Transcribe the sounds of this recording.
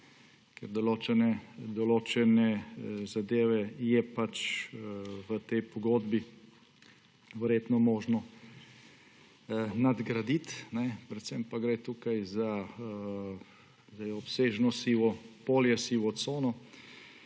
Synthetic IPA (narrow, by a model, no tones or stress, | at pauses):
kɛɾd̪ɔloːt͡ʃɛnɛd̪ɔloːt͡ʃɛnɛzad̪eːʋɛjɛpat͡ʃ | ʋət̪ɛjpɔɡoːd̪bi | ʋɛɾjeːt̪nɔmoːʒnɔ | nad̪ɡɾad̪it̪nɛpɾɛt̪səmpaɡɾet̪uːkajza | zd̪ɛjɔpseːʒnɔsiːʋɔpoːljɛsiːʋɔt̪soːnɔ